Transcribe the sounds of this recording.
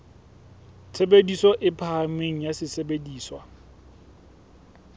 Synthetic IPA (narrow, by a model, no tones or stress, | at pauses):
tʰebedisɔʔɪpʰameŋ̩jasɪsebediːswa